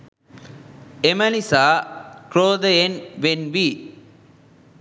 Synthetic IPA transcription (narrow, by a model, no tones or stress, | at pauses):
emɐlisaːkɾoːd̪ɐenʋenʋi